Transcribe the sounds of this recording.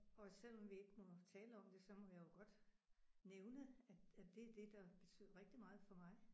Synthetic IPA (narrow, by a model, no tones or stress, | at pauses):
ɒ̽sel̰ɒ̽mʋie̝ɡ̥əmɒ̽t͡sʰɛːləɒ̽m̰d̥e̝sɒ̽mɒ̽jäjo̝ɡ̥ɒ̽d̥ | neʊnəææd̥e̝æɐd̥e̝d̥ɑ̈b̥e̝t͡sʰy̰ð̰ˠɐʁeɡ̥̚d̥imɑ̈ːð̩ˠfɒ̽mɑ̈ɪ